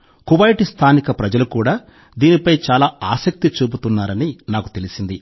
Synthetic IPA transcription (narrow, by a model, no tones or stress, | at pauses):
kuʋɐjʈist̪ʰaːnikɐpɾɐd͡ʒɐlukuːɽaː | d̪iːnipɐjt͡ʃaːlaːaːsɐk̚t̪it͡ʃuːbut̪unːaːɾɐninaːku̥t̪e̞lisind̪i